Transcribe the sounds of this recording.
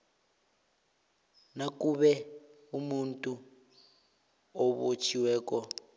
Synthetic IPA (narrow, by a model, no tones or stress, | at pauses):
nakuɓɛ | umuntʼu | ɔβot͡ʃʰiwɛːkɔ